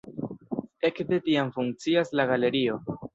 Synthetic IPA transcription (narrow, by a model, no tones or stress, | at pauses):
e̞kde̞tiamfuŋk̚t͡siaslaɡale̞ɾio̞